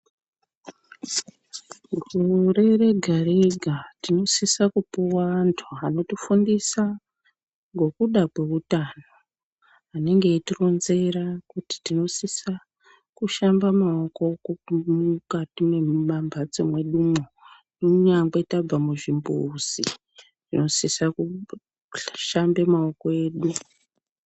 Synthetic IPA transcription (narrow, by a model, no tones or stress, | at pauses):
ɡʱure̞re̞ɡʱareɡʱatino̞sisakupuwaːntʰuano̞tifundisa | ŋɡo̞kuɗakwe̞utano̞ | ane̞ŋɡe̞ːtiro̞nze̞ɾakuti̥tino̞sisa | kuʃambamaoko̞kmukatime̞mambʱat͡semwe̞ɗumo | noɲaŋɡetab͡vamuʐimbṵːzi | ʐ̥ino̞sisaku | ʃambe̞mao̞koe̞ːɗu